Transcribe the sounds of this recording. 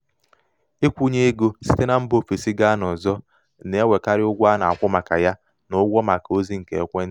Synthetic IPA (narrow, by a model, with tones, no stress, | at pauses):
i˦kʷu˦ɲe˦e˦ɡo˦si˦te˦na˦m̩˦bo˦fi˨si˦ɡa˦nɔ˨zɔ˦ | ne˨e˦we˨ka˦ɾɪ˦ʊ˦ɡʷa˦na˨a˨kʷʊ˦ma˨ka̰˨ja˦ | nʊ˦ɡʷɔ˦ma˨ko˦zi˦ŋ̩˨kḛ˨kʷe˦n˦